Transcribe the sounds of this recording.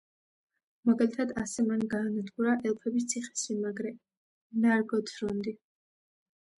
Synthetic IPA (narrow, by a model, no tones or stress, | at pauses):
maɡalit̪ʰad̪asɛmanɡaːnad̪ɡuɾaʔɛlˠpʰɛbis̬t̪sʰiχɛ̥simaɡɾɛ | naɾɡɔt̪ʰɾɔnd̪i